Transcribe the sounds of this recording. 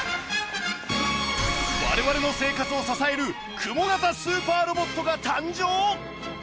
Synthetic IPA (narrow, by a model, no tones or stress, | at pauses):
βa̰ɾe̞βaɾe̞no̞se̞ːkat͡sɨo̞sasae̞ɾɯ̟ | kʰɯ̟mo̞ɡat̪asɨːpaːɾo̞bo̞t̪ːo̞ɡat̪ãɲ̟d͡ʑoː